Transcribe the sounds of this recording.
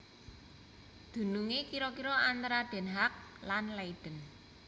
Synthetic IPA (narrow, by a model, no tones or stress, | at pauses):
d̪̥ṳnuŋekiɾɔkiɾɔant̪aɾaɖ̪̥ɛ̤nɦak̚lanlaiɖ̥ə̤n